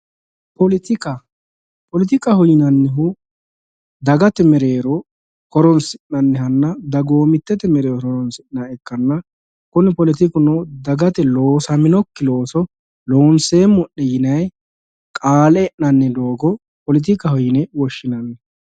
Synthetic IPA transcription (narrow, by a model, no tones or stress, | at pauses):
pɔlɪt̪ɪkɐ | pɔlɪt̪̬ɪkɐhɔjɪnɐnːɛɦʊ | d̪ɐɡɐt̪ɛmɛɾeːɾɔ | kɔɾɔnsɪʔnɐnːɛhɐnːɐd̪ɐɡoːmɪt̪ːɛt̪ɛmɛɾeːɾɔɾɔɾɔnsɪnɐɛkːɐnːɐ | kʊnɪpɔlɪt̪ɪkʊnɔd̪ɐɡɐt̪ɛlo̞ːsɐmɪnɔkːɪlo̞ːsɔ | loːnseːmːʊʔːɛjɪnɐj | kʼaːlɛɛʔnɐnːɛd̪o̞ːɡɔ | pɔlɪt̪̬ɪkɐhɔjɪnɛwɔʃːɪnɐnːɛ